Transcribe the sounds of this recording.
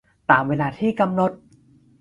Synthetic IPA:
t̪aː˨˩mweː˧laː˧t̪ʰiː˥˩ka˧mno˧˥t̪̚

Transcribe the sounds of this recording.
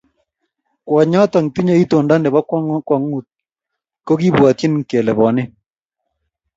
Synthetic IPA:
kwɔ˨ɲɔ˦tɔ˨ŋti˦ɲe˦i˦to˨nda˦nɛ˨βa˦kwa˦ŋ˦kwa˨ŋu˨t̚ | ko˦ki˦bwa˨tji˦nkɛ˨lɛ˨βɔ˨nɪ˦

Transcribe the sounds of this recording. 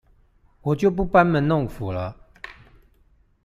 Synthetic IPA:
wɔ˨˩t͡ɕjo˥˨ʊp̬u˥˩pa˦nmə˨˦nʊ˥˨ŋfu˨˩lə˦

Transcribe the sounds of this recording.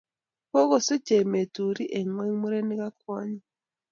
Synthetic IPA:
ko˦ɣo˨se˦ce˨me˨tu˨ɾi˦ʔe˨ŋwe˦mu˦ɾe˦ni˦ɡa˦kwa˦ɲa˦

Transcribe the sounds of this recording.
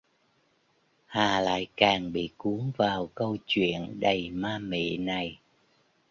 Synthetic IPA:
haː˨˩la̰ː˧˨jkaː˨˩ŋɓḭ˧˨ku˨˦əŋvaː˨˩wkə˧wt͡ɕwḭ˧˨ənɗə˨˩jmaː˧mḭ˧˨na˨˩j

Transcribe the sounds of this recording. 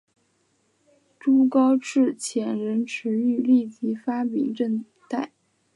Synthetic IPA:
ʈ͡ʂu˥kɑ˥ʊʈ͡ʂɻ̩˥˩t͡ɕʰjɛ˧˥nɻə˧˥nʈ͡ʂʰɻ̩˧˥y˥˧li˥˩t͡ɕi˧˥fa˥pḭ˨˩ŋʈ͡ʂə˥˧n | t̪a˥˩ɪ

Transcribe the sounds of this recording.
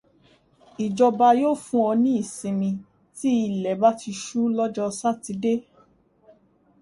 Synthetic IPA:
i˨d͡ʒɔ˧ba˧joː˦fũ˦ɔ̃˧nĩ˦i˦˨sĩ˧mĩ˧ | ti˦i˧˨lɛ˨ba˦ti˧ʃu˦lɔ˦d͡ʒɔ˧sa˦ti˧˦de˦

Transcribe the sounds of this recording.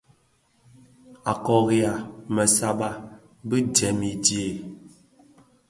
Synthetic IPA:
a˨kɔ˨ɣja˨mə˨sa˦ɓa˦ | bə˦dɛ˨mi˨dje˨

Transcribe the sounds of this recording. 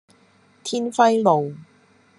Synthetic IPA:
t̪ʰiː˥nfɐ˥jlo˨w

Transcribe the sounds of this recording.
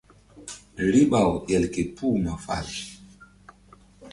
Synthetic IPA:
li˦ɓa˨wʔɛ˨lke˨pʰu˦ma˨fa̰˨l

